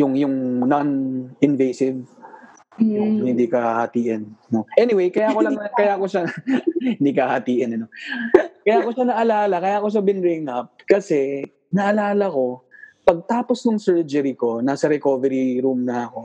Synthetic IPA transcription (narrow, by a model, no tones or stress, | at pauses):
jʊŋjʊŋnɐnɪnvejsɪv | ʊŋhɪnd̪ikɐhhɐt̪iːʔɪnnoʔɛnɪwejkɐjaʔkolɐŋkɐjaːkoʃahɪ̃nd̪ikɐhɐt̪iːʔɪnɐno̞kɐjako̞ʃanɐʔɐlaːlɐkɐjaːkoʃɐbɪnɾɪŋɐp̚kɐsɛ | nɐʔɐlaːlɐko̞pɐɡ̚t̪aːposnʊŋsɛɹd͡ʒɛɾiko̞nasɐɾɛkoːvɛɾiɾumnɐʔɐko̞